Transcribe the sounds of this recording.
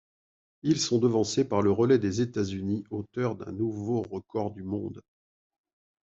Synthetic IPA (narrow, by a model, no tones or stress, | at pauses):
ilsɔ̃d̪əvɑ̃sepaʁləʁəlɛd̪ezet̪azyniot̪œʁd̪ɛ̰̃nuvoʁəkɔʁd̪ymɔ̃d̪